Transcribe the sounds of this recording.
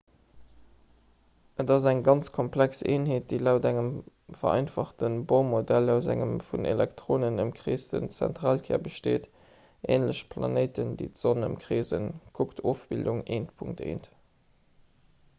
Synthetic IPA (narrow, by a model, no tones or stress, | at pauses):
ədɑzæŋɡɑnt͡skʰɔmpʰlækseːnɦeːt̚d̥eːlæʊtæŋəm | fɐ̰ɑ̰ɪnfɑχtənboʊmodælaʊzæ̰ŋəmfunḛlæktʁ̥oːnənəmkʁeːstə̰nt͡sæ̰ntʁaːlkʰɛːɐbəʃteːt | ʔḛːnləɕpʰlɑ̰neɪtəndḭːtz̥onə̰mkʁeːzənkʰuktʰoːfb̥ilduŋeːntpʰuŋk̚tḛːnt